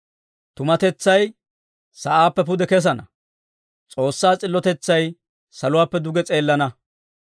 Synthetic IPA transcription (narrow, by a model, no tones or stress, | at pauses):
t̪ʊmɐt̪ɛt͡sːɐj | sɐʔaːpːɛpʊd̪ɛkɛs̬ɐnɐ̰ | t͡sʼo̞ːsːaːt͡sʼɪlːɔt̪ɛt͡sːɐj | sɐlʊwaːpːɛd̪ʊɡɛt͡sʼeːlːɐnɐ